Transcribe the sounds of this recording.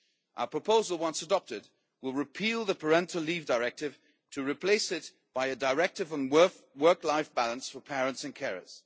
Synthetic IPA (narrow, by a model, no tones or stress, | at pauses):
ʔaʊə˞pʰɹ̥əpʰoʊzəlˠwʌ̃nsədɑp̚tɪd̚ | wɪlˠɹɪpʰilˠðəpʰə˞ɛ̃ntʰl̩ˠliːvdəɹɛk̚tɪv̥ | tʰəɹɪpʰl̥eɪsɪt̚ | b̥aɪɨdəɹɛk̚tɨvə̃n | wɜ˞klaɪfb̥alˠə̃nsfəpʰɛɹə̃ntsɨ̃nkʰɛɹə̰z̥